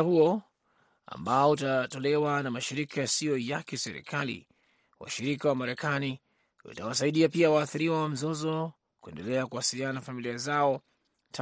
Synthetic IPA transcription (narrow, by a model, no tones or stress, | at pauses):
huɔ | a̰mbaɔutatɔlɛwanamaʃiɾikʰajasiɔjakɛsɛɾḭkʰalḭ | wa̰ʃiɾikawamaɾɛkani | wṵtawasaiɗiapiawaːθiɾiwawam̩zɔzɔ | kuɛ̰ndɛlɛakuwasiliananafamiliazaɔ | tʰ